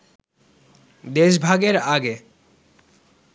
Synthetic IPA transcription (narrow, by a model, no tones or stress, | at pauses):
d̪eʃbʱaɡeɾaɡe